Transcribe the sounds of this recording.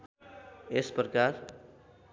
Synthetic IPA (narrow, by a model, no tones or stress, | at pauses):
esprʌkar